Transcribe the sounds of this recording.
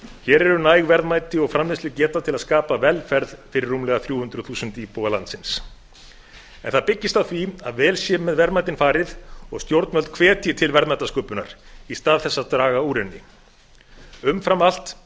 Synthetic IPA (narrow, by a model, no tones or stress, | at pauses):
çɛːɾɛɾʏnaːjɣvɛɾðmaːjt̪ɪɔɣfɾamlɪslɪcɛːt̪at̪ʰɪlaðskaːpavɛlfɛɾðfɪɾɪrːumlɛːɣaθɾjuːhʏnt̪ɾʏθuːsʏnt̪ipoːɣalant̪sɪns | ɛ̰nθaðpɪcːɪst̪awθviaðvɛːlsjɛːmɛðvɛɾðmaːjt̪ɪnfaːɾɪðɔɣst̪jowɾt̪mœlt̪̚kʰv̥ɛːt̪ʰjɪt̪ʰɪlvɛɾðmat̪askœːpʏna̰ɾ̥ist̪aːðθɛsːat̪ɾaːɣauːɾɪnːɪ̰ | ʏmfɾamal̥t̪